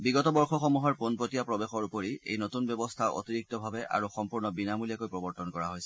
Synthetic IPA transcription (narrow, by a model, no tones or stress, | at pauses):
biɡɔtɔbɔɹxɔxɔmuɦɔɹponpotijapɹɔbexɔɹupɔɹiḛjnotunbjɔbɔstʰaʔo̰tiɹik̚tɔbʱabɛʔa̰ɹuxɔmpuɹnɔbinamulijakojpɹɔbɔɹtɔnkɔɹaɦojsɛ